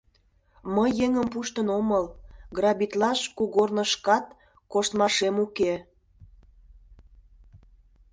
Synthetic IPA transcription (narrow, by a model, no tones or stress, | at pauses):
məjːeŋəmpuʃt̪ənoməlɡrɑbit̪lɑʃkuɣornə̆ʃkɑt̪ | koʃt̪mɑʃemuke